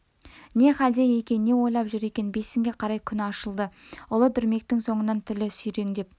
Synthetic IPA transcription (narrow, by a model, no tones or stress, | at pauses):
ne̞χæld̪ejekʲe̞nne̞wo̞jlˠɑpʒʏɾe̞kʲe̞nbe̞sɪŋɡʲe̞qʰɑɾɑjkʲʰʏnɑʃəlˠd̪əʊlˠət̪ʰʏɾme̞k̚t̪ɪŋso̞ɴənɑnt̪ʰɪlɪsʏjɾe̞ŋd̪e̞p̚